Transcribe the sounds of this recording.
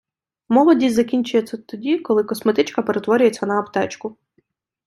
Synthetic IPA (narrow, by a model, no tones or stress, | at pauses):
mɔlˠɔdʲizɐkʲinʲt͡ʃʊjɛt͡sʲːɐt̪ɔdʲikɔlˠɪkɔsmet̪ɪt͡ʃkɐpeɾet̪ʋɔɾʲʊjet͡sʲːɐnɐːpt̪ɛt͡ʃkʊ